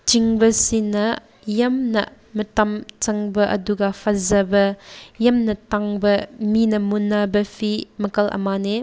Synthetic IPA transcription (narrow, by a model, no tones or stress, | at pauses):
t͡ʃiŋbɐsinɐ | jɐmnɐ̰ | mɐtɐmt͡sɐŋbɐʔɐ̰duɡapʰɐzɐbɐjɐmnɐtaŋbɐminɐmunːabɐpʰimɐkɐlʔɐ̰mane